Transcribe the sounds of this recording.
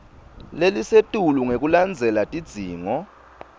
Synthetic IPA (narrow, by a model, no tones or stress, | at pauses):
lelisetʼuluŋek̬ʼuland͡zʱɛlatʼid̥z̥ʱiːŋɔ